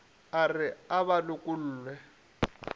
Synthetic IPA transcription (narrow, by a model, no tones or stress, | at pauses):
arɪaβalʊkʼʊl̩ːlwɛ